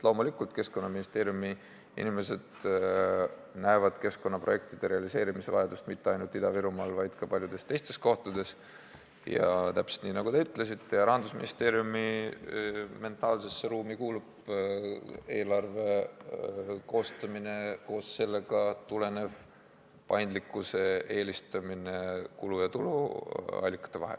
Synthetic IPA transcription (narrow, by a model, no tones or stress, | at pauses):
lo̞ːmulikːˑult̪ke̞sko̞nːɑminist̪e̞ːɾjumi | ḭnʲime̞se̞d̪̥ | næevɑd̪̥ke̞sko̞nːɑproje̞kt̪id̪̥e̞ɾe̞ɑlise̞ːɾimise̞vɑ̰jed̪ust̪mit̪ːeɑjnult̪id̪̥ɑviɾumɑːlvɑjd̪̥kɑpɑlʲjud̪e̞st̪e̞jst̪e̞sko̞ht̪ud̪̥e̞s | jɑ̰t̪æpse̥t̪niːnɑɡ̥ut̪e̞yt̪ːˑle̞sit̪ːe̞jɑɾɑnd̪̥usmḭnist̪e̞ːɾjumi | me̞nt̪ːˑɑːlse̞sːe̞ɾuːmikuːlub | e̞ːlɑrve̞ | ko̞ːst̪ɑmine̞ko̞ːsse̞lːe̞ɡɑt̪ule̞ne̞v | pɑjnd̪likːˑuse̞e̞ːlʲist̪ɑmine̞kulujɑt̪ulṵɑ̰lʲːikːˑɑ̥t̪ːˑe̞vɑ̰ɦḛl